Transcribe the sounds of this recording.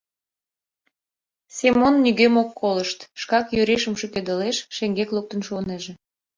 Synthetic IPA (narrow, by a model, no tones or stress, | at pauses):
semonːyɣemokːoləʃt̪ʃkɑkjøɾeʃəmʃøkød̪əleʃʃeŋɡekluk̚t̪ənʃoneʒĕ